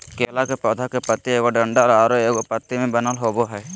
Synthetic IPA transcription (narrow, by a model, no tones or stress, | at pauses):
kɛlakɛpɔd̪ʱakɛpət̪iɛɡɔɖəɳɖaʔɾɔaɾɔɛɡɔpət̪ːimɛbənalɦɔbɔɦɛj